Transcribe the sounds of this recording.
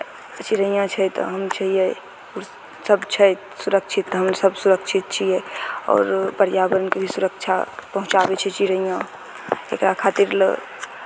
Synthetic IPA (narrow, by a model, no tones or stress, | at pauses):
t͡ʃiɾəjãt͡ʃʰɛjt̪ɔ̰ɦəmt͡ʃʰəɦijɛ | uɾ | səbt͡ʃʰɛj | suɾəkt͡ʃʰit̪ːɦəmsəbsuɾəkt͡ʃʰit̪̚t͡ʃʰijɛɔ̰ːɾpəɾjabəɾənkebʱisuɾək̚t͡ʃʰapəɦũt͡ʃabɛt͡ʃʰɛt͡ʃiɾəjã | ḛkɾakʰat̪iɾlə̰